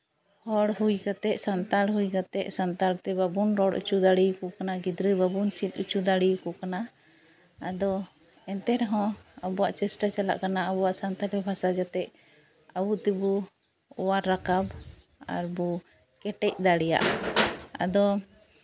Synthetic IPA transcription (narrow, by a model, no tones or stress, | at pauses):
hɔɽɦujkat̪ɛʔsant̪alɦujkat̪ɛʔsant̪aɽt̪ɛbabunɾɔɽṵt͡ʃud̪aɽijkɔkanaɡid̪ɾəbabunt͡ʃit̪̚ˀṵt͡ʃud̪aɽijkɔkana | ad̪ɔ | ɛnt̪ɛɾɦɔ̃abɔwaʔt͡ʃɛsʈat͡ʃala̰ʔkanaabɔwaʔsant̪alɛbʱasad͡ʒat̪ɛʔ̚ | abut̪ɛbɔ | ɔwaːakab | a̰ɾbɔ | kɛʈɛc̚d̪aɽɛja̰ʔ | a̰d̪ɔ